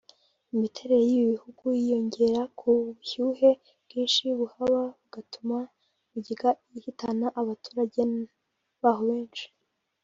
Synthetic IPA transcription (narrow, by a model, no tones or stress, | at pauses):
imitʰe̞ɾe̞ɾe̞jiβiβihuɡujijo̞ɲɟe̞ɾakʰuβuçuːɦe̞ | bɡ̥iːnʃiβuhaβaβuɡ̥atʰuma | βuɟiɡa | ihitʰanaʔaβatu̥ːɾaɟe̞ | βaːɦo̞βe̞ːnʃi̥